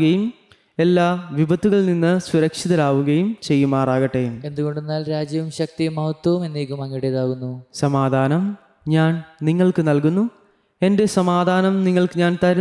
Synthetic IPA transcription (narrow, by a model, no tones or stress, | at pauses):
ɣɐjum | e̞lːaːʋibʱɐt̪ːuɣɐɭninːɨsʋuɾɐkʂiðɐlaːʋuɣɐjumt͡ɕe̞jːumaːraːɣɐʈːeje̞nd̪uɣo̞ɳɖenːaːlɾaːd͡ʑjɐʋumɕɐk̚t̪ijɐmːɐhɐt̪wɐʋume̞nːeːkːumɐŋːɐɽeðaːɣunːusɐmaːd̪ʱaːnɐm | ɲaːnniŋːɐɭkɨnɐlkunːu | e̞nde̞sɐmaːd̪ʱaːnɐmniŋːɐɭkɨɲaːnt̪ɐɾɐ